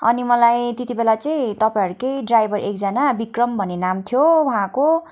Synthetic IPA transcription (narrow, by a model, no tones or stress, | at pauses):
ʌ̰nimʌlajt̪et̪ibelat͡saĩt̪ʌpajɦʌɾukejɖrajbʱʌrʔek̚d͡zanabikrʌmbʱʌnenamt̪ʰjowɦãko